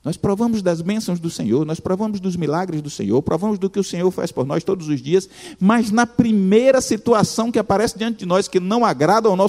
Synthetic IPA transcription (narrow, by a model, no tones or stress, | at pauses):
nɔspɾovɐ̃mʊzd̪ɐzbẽsɐ̃w̃zd̪ʊsẽɲoɾnɔspɾovɐ̃mʊzd̪ʊzmilaɡɾɪzd̪ʊsḛ̃ɲoɾpɾʔovɐ̃mʊzd̪ʊkɪʊsẽɲoɾfa̰spoɾnɔjst̪od̪ʊzʊzd͡ʒiɐs | mɐznɐpɾimejɾɐsit̪uasɐ̃w̃kɪapaɾɛsɪd͡ʒiɐ̃nt͡ʃ̪ɪd͡ʒɪnɔskɪnɐ̃w̃aɡɾad̪ɐawnɔ